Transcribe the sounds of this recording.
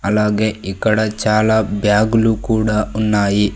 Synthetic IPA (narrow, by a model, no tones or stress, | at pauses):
ɐlaːɡeːikːɐɽɐt͡ʃaːlaːbjaːɡulukuːɽaːunːaːji